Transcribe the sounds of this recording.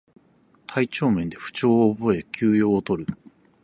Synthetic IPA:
t̪ʰait͡ɕo̞ːmẽ̞nd̪e̞ɸɯ̟̥t͡ɕo̞ːbo̞e̞kʲʰɨːjo̞ːt̪o̞ɾɯ̟

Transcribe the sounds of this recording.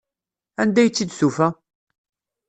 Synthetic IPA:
ænd̪æjt͡sːid̪sufæ

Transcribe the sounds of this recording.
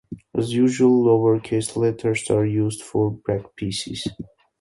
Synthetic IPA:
ʔæzjuʒuəlˠːovəɹkʰeslɛtʰəɹsaɹjuːzdfɔɹbɹækpʰisḭz̥

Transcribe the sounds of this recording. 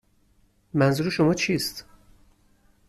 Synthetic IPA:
mænzuːɾeʃo̞mɒːt͡ʃʰiːst̪

